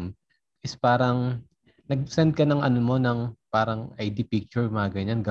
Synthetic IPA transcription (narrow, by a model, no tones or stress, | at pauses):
ʔɪspaːɾɐŋ | nɐɡ̚sɛnd̪̚kɐnɐŋɐnomo̞nɐŋpaːɾɐŋʔɐjd̪ipik̚t͡ʃʊɹmaɡɐɲɐnɡɐ